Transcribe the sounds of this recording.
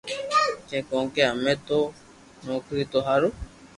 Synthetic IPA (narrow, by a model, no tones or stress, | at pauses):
kẽkoŋkeamẽt̪o | nõkɯt̪oɦaɾu